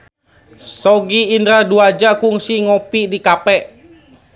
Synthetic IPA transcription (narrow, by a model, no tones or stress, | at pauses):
sɔɡiːndɾaduad͡ʒakuŋsiŋɔpidikapɛʔ